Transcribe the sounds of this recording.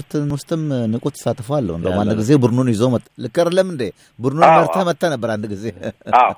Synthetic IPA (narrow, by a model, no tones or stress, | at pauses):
ɾt̪ʰɨnwʊst̪ʰɨmnɨkʼut̪ʰːə̥sat̪ːfoalːə̰wɨnd̪əmanːəɡizebɨɾnunjizomət̪ːlɨkːəɾlːəmɨnd̪e | bɨɾnunməɾt̪ʰamət̪ʰːanəbːəɾandɨɡize